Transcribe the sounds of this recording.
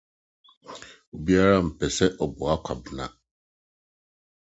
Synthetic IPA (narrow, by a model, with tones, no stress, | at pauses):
o˨bi˦a˦ɾa˦m̩˨pɛ˨sɛ˦ʔɔ˨bɔ˨a˦kʰʷa˨bɪ˨nã̰˦